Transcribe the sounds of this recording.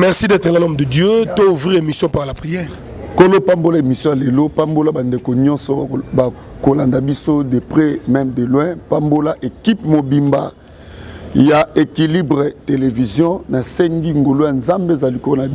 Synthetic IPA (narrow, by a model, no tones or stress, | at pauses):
mɛʁsidɛt̪ʁɛlalɔmd̪ədjøtouvʁiʁemisjɔ̃paʁlapʁijɛːʁ | kolopambolaemisjɔ̃jalelopambolabandekoɲɔ̃nsɔba | kolandabisodepʁɛmɛmdelwɛ̃pambolaʔekipmobimba̰ | jaekilibʁetelevizjɔ̃nasɛŋɡiŋɡolojanzambezalikolona